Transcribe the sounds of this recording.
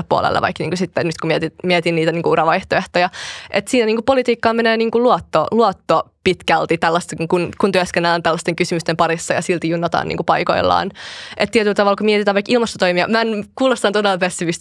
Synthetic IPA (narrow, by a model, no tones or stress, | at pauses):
eppuo̰lḛlːḛʋɑ̰ikniːŋkusit̪ːɛnyt̪kumiɛt̪imiɛt̪inniːt̪æniːŋkuurɑʋɑiht̪oeht̪ojɑʔet̪siːnæniːŋkupolit̪iːkːɑːmeneːniːŋkuluot̪ːoluot̪ːopit̪kælt̪it̪ælːɑst̪ekŋkunkunt̪yøskenːelːænt̪ælːɑst̪eŋkysymyst̪empɑɾisːɑjɑ̰silt̪ijunːɑt̪ɑ̰ːnḭːŋkupɑiko̰ilːɑ̰ːnʔet̪t̪iɛt̪ylt̪ɑʋɑlkumiɛt̪it̪æːʋɑikilmɑst̪ot̪oimiɑmænkuːlost̪ɑnt̪odelːpesːiʋist̪